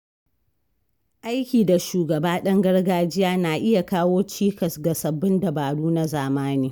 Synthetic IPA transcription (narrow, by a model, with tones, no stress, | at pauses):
ʔa˦jkʲiː˨da˨ʃuː˨ɡɐ˨baː˦ɗɐ˦ŋɡɐ˦ɽɡaː˦d͡ʒɪ˦jaː˦naː˨ʔɪ˦ja˨kaː˦woː˦t͡ʃiː˦kɐ˨sɡɐ˨sɐ˨bːɪ˦nda˨baː˨ɽuː˦na˦zaː˨maː˦niː˦